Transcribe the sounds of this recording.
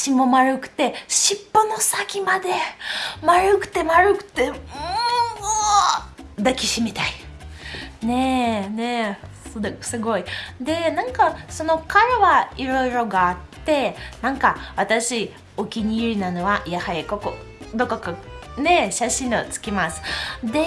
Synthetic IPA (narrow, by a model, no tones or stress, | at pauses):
ɕimomaɾɯ̟kɯ̟̥t̪e̞ɕipːono̞sakʲimad̪e̞maɾɯ̟kɯ̟̥t̪e̞maɾɯ̟kɯ̟̥t̪e̞ɯ | d̪akʲiɕimʲit̪ai | ne̞ne̞sosɨɡo̞id̪e̞nãŋkaso̞no̞kaɾaβaiɾo̞iɾo̞ɡaːt̪ːe̞nãŋkaβat̪aɕi | okʲiɲ̟iiɾʲinano̞βajahaikoko | d̪o̞kokane̞ɕaɕĩɴot͡sɨ̥kʲimasɨ̥d̪e̞